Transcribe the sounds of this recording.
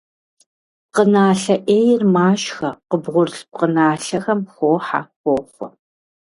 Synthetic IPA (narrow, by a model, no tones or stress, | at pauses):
qənaːɬɐʔeːjɪrmaːʃxɐqəbʁʷʊrɬp̚qənaːɬɐxɐmxʷoːħa̰xʷoːχʷɔ